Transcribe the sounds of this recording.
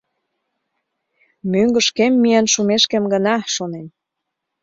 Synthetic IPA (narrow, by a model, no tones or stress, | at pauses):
myŋɡə̆ʃkemːijənʃumeʃkemɡənɑʃonem